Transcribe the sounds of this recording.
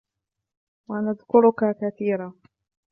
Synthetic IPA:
wanaðkʊɾʊkakaθiːɾaː

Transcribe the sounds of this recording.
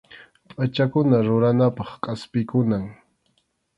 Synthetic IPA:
pʼat͡ʃakʊnaɾʊɾanapɑχkʼaspɪkʊnaŋ

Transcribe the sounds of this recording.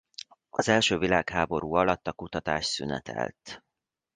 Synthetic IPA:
ɒzɛlʃøːvilaːkhaːbo̞ɾuːɒlɒt̪ːɒkut̪ɒt̪aːʃsynɛ̰t̪ʰɛ̰lt̪

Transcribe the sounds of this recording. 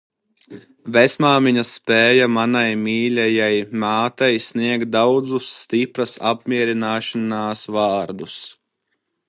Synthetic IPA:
vɛsmaːmiɲɐsːpɛːjamanajmiːlʲɛjajmaːt̪ajsniɛk̚t̪̚d̪awd̪zusːt̪ipɾɐsa̰p̚mʲiɛɾinaːʃanaːsvɑːɾd̪us

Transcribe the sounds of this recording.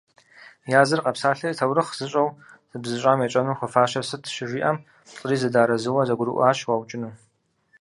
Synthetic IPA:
jaːzɨrqɐpsaːɬɐitʰɐwɾɨχz̥ɨɕʼɐwz̥ɨbzɨɕʼaːmjet͡ʃʼɐnuːχʷʊfaːɕɐsɨtʰʃɪʒʷiːʔɐm | ɬʼɨɾiːzɨdaːɾɐzɨwɐzɐɡʷʊɾɨ̰ʔʷaːɕwawt͡ʃʼɪnuː

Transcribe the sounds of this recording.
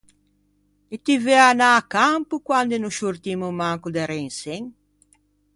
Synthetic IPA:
it̪iveanaːkampukwand̪enuʃuɾt̪imumaŋkud̪ɛɾeŋseŋ

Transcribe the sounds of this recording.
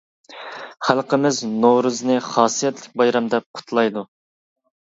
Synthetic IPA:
χælˠqəmɪznoɾɨznɨχɑːsijɛt̪lɪk̚ʲbɑjɾɑmd̪ɛp̚qʰʊ̥t̪ʰlˠɑjd̪u

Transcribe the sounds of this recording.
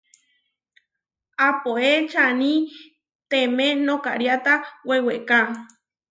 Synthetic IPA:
apoet͡ʃanĩ | t̪emẽnõka̰ɾjat̪aweweka

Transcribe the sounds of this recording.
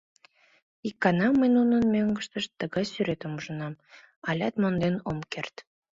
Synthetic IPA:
ikːɑnɑməjnunənmøŋɡəʃt̪əʃt̪ːəɣɑjsyɾet̪omuʒənɑm | ɑlʲɑt̪mond̪enomkert̪

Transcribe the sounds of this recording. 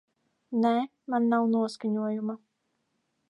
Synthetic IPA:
nɛː | manːawnuɔskaɲuɔjuma

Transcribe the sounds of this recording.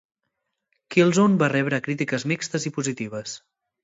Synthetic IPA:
kilˠzonbarɛβɾəkɾit̪ikəzmikst̪əzipuzit̪iβ̞əs

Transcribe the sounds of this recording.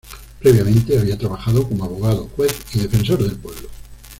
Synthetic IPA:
pɾe̞βjamẽnt̪e̞aβiat̪ɾaβ̞axað̞okomoaβo̞ɣ̞aðoxwe̞θiðe̞fẽ̞nso̞ɾðe̞lpwe̞βlo

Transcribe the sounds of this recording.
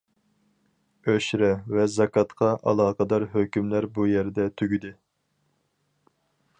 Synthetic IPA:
øʃɾɛvɛzɑkɑt̪qʰɑʔɑ̰lˠɑːqɑd̪ɑɾɦøkʲymlæɾbujɛɾd̪ɛt̪ʰyɡʲyd̪ɪ

